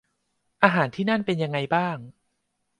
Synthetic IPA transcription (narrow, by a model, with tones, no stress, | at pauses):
ʔaː˧ɦaː˩˦nt̪ʰiː˥˩na˥˩npe˧nja˧ŋːa˧jbaː˥˩ŋ